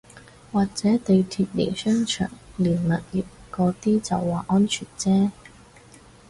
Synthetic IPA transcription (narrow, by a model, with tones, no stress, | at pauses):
waː˨k̚t͡sɛː˨˥t̪e˨jt̪ʰiː˧t̚lḛ˨˩jsœː˥ŋt͡ʃʰœ̰ː˨˩ŋliː˨˩nlɐ˨t̚jiː˨˩p̚kɔː˨˧˥t̪iː˥t͡sɐ˨wːaː˨ʔɔː˥nt͡ʃʰyː˨˩nt͡sɛː˥